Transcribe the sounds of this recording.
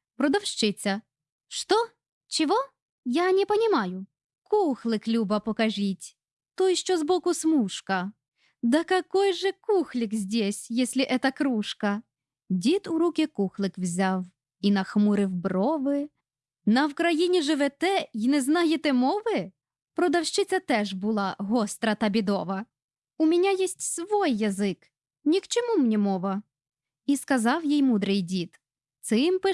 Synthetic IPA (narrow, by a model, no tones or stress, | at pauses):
pɾɔd̪ɐwʃt͡ʃɪt͡sʲɐ | ʃt̪ɔ | t͡ʃɪʋɔ | janʲɛpɐnʲɪmɑjʊ | kuxlˠɪklʲubɐpɔkɐʒʲitʲ | t̪ɔjʃt͡ʃɔzbɔkʊsmuʂkɐ | d̪ɐkɐkɔjʒɛkuxlʲɪkzʲdʲesʲjɛsʲlʲɪʔɛt̪ɐkɾuʃkɐ | dʲit̪ʊɾukʲɪkuxlˠɪkwzʲaw | inɐxmuɾɪwbrɔʋɪ | nɐwkɾɐjinʲiʒɪʋɛt̪ɛinɛznɑjet̪ɛmɔʋɪ | pɾɔd̪ɐwʃt͡ʃɪt͡sʲɐt̪ɛʒbʊlˠɑɦɔst̪ɾɐt̪ɐbʲid̪ɔʋɐ | umʲinʲajɛsʲtʲsʋɔjːɐzɪk | nʲikt͡ʃɔmumnʲimɔʋɐ | iskɐzɑwjijmud̪ɾɪjdʲit̪ | t̪sɪmpɪ